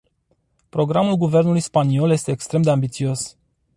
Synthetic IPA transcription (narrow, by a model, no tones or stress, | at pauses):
pɾo̞ɡɾamulɡuve̞rnulujspanio̞lje̞st̪e̞ːkst̪ɾe̞md̪e̞ambit̪sio̞s